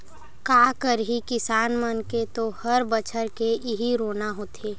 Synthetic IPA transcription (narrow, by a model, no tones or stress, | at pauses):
kaːkəɾɦikɪsaːnmənket̪ohəɾbət͡ʃʰəɾkeʔɪɦiɾoːnaɦoːt̪ʰeː